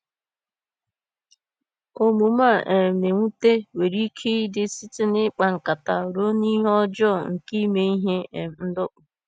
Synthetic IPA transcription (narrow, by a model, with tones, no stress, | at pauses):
o˦mu˨ma˦˨ʔe˨me˨ŋʷu˦te˦we˨ɾi˦kʰe˦dɪ˦sɪ˦tɪ˦nɪ˦k͡pa˨ŋ̩˨ka˨ta˨ɾo˦ni˦ɦɔ˦d͡ʒɔ˦˨ŋ̩˨ki˦me˦i˦ɦe˦e˨m˨n̩˦dʊ˦k͡pʊ˨